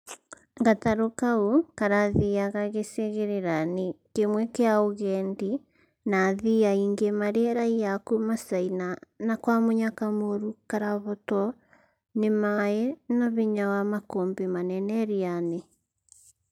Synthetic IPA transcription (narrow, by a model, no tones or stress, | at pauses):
ŋɡataɾokaukaɾaðiaɣaɣeseɣeɾeɾanekemwɛkeaoɣɛndi | naðiaiŋɡemaɾeɾaiakumasainanakwamoɲakamoɾukaɾaβɔtɔ | nemaɛnɔβiɲawamakombemanɛnɛɾiane